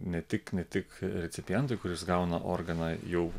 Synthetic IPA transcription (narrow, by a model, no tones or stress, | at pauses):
nʲɛt̪ʲɪknʲɛt̪ʲɪkɾʲɛt̪sʲɪpʲɪjɛnt̪ʊɪkʊɾʲɪsɡɐʊnɐʔo̰ːɾɡɐnɑːjɛʊ